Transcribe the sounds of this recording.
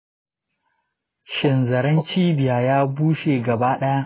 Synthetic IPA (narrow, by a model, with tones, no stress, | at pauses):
ʃɪ˨nzɐ˨ɾɐ˦nt͡ʃiː˦bɪ˨jaː˨jaː˦buː˦ʃeː˨ɡɐ˨baː˦ɗɐ˦ja˦ʔ